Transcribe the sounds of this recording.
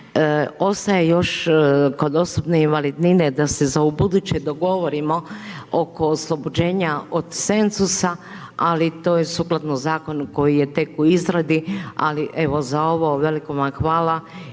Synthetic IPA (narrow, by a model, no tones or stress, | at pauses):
o̞st̪ajejo̞ʃko̞d̪o̞sobneinʋalid̪nined̪asezaubud̪ut͡ɕed̪o̞ɡo̞ʋo̞ɾimo̞oko̞ːslˠo̞bod͡ʑe̞ːɲaod̪se̞nzusa | alit̪o̞ːjesuklˠat̪nozaːko̞nko̞jije̞t̪e̞kuizɾad̪ia̰liʔeʋo̞zao̞ʋoʋe̞likomaxʋaːla